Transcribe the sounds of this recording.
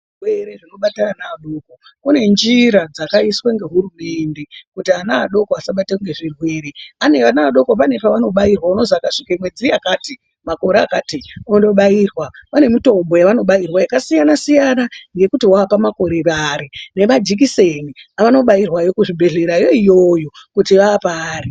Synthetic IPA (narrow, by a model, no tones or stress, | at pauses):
rweɾeʐino̞ɓatananaaɗo̞ko | kune̞nd͡ʒiɾad͡zakaisweŋɡe̞ɦuɾume̞nde̞kutianaːɗo̞koasaɓateŋɡe̞ʐirwe̞ɾeane̞ʋanaːɗo̞kop̬ane̞paʋano̞ɓairwauno̞zakaʂikamwe̞d͡ziiakaːti | mako̞ɾeakaːtiundo̞ɓaiːrwapane̞mito̞mbo̞jaʋano̞ɓajirwajakasijanasijanaŋɡe̞kutiwaːpamako̞ɾeɾaɾine̞mad͡ʒik̬ise̞niaʋano̞ɓajirwajo̞kuʐibʱe̞ɮe̞ɾajo̞ijo̞jo̞kutiʋaːpaːri